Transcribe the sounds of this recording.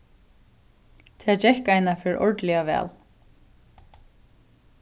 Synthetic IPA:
t̪ʰɛːt͡ɕɛhkajnafɪɾʔɔ̰ɹt̪lɪaʋɛ̰ːl

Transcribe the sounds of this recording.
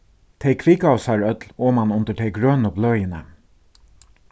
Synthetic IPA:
t̪ʰɛɪjkʰviːkaʊsaɹœt̪loːmanʊnt̪əʈ̪ʰɛɪɡɾøːnəblœɥjɪnə

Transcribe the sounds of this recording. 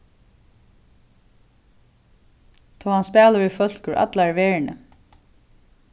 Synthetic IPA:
t̪ʰɔːhanspɛːləvɪfœl̥kʏɹʔa̰t̪laɹʋeːɹnə̰

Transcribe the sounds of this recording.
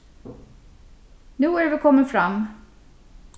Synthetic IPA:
nʉ̟ːæɾvɪkʰɔmːəfɾamː

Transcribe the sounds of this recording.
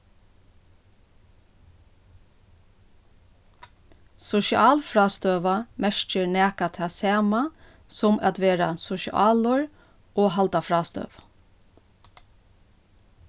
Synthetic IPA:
sʊʃɪʔɑːlfɾɑːst̪øːʋɑmæʃt͡ʃəɹnæːkat̪ʰɑsɑːmɑ | sɔmɑt̪ʋeːɾɑsʊʃɪ̰ʔɑːlʊɹ | ʔoːhɑlt̪ɑfɾɑːst̪œ̰ːʋ

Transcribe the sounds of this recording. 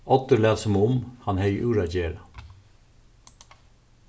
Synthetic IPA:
ʔɔt̪əlæːsɔmʊmhɑnheɪʔʉːɾɑd͡ʒeːɾɑ

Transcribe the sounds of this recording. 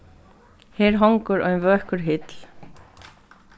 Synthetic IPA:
hɛːɾ̥ɦɔŋkʏɾœ̰ɥnvœːhkʏɾ̥ɦɪt̪l̥

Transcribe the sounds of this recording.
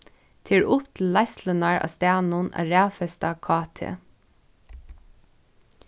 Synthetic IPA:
t̪ʰɪːɹʊpt̪ʰɪlːajst̪lənaɹɑ̰ːst̪æːnʊna̰ɹæːfɛst̪akʰɑːt̪ʰɪ̰

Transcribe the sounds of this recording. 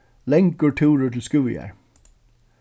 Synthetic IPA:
lɛŋkəɹʈʰuːɹəʈ̪ʰɪlskʉ̰ːjæ̰ɹ

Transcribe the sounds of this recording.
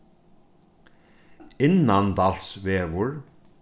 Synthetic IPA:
ɪnːand̪alsʋeːʋʊɹ

